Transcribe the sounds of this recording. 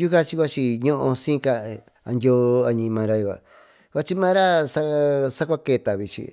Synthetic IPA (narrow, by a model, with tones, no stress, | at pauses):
ju˦ka˦t͡ʃi˧kʷa˧t͡ʃi˧ɲõ˦ʔõ˧sĩː˦ka˧ | a̰˧nd̪ʲo˦a˧ɲĩ˧mã˧ɾa˧ju˧βa̰˨ | ka˧t͡ʃi˦mãː˦ɾa˦sa˦sa˦kʷa˦ke˧˨t̪a˨βi˧t͡ʃḭ˧